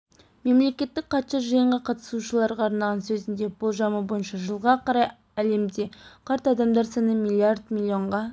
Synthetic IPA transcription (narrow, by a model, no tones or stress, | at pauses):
me̞mle̞kʲe̞t̪ːɪk̚qʰɑt̪ʃɑʒəjəɴʁɑqʰɑt̪ə̥suʃəlˠɑɾʁɑːɾnɑlˠʁɑnsɵzɪnd̪e̞b̥olˠʒɑməbo̞jənʃɑʒəlˠʁɑqʰɑɾɑj | æle̞md̪e̞qʰɑɾt̪ɑd̪ɑmd̪ɑɾsɑnəmʲilʲˠiard̪milʲːio̞ɴʁɑ